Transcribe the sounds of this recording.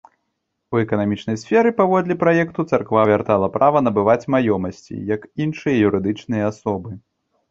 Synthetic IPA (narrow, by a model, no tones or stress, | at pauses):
uɛkɐnamʲit͡ʂnɐjsfʲɛɾɨpavɔd̪lʲɛpɾajɛkt̪ut̪sarkvavʲart̪alˠɐpɾʔavɐnɐbɨvat͡sʲmajɔmɐsʲt͡sʲḭjɐkinʂɨjɐjuɾɨd̪ɨt͡ʂnɨjɐasɔbɨ